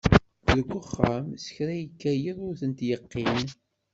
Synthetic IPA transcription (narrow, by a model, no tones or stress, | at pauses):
ðəkʷːəχːamsə̥çɾæjəkːæjəðˤʊɾθənt̪jəqːin